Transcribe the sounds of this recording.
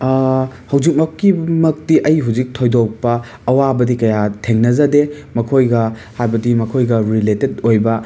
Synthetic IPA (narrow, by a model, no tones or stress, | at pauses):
hɐwd͡ʒik̚mɐkːimɐk̚tiʔɐjɦuwzik̚tʰojdok̚pɐː | wabɐdikɐjatʰeŋnɐzɐde | mɐkʰojɡɐhajbɐdimɐkʰojɡɐɾiletedojbɐ